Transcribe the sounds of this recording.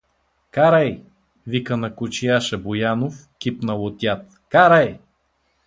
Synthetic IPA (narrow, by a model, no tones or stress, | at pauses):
kaɾaj | vikənɐkot͡ʃiaʃɛbojanof | kʲipnɐlˠot̪ʲjat̪ | kaɾaj